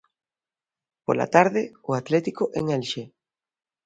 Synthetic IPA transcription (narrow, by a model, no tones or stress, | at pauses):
po̰la̰t̪aɾðɪʊat̪lɛt̪ikʊʔeŋelʃe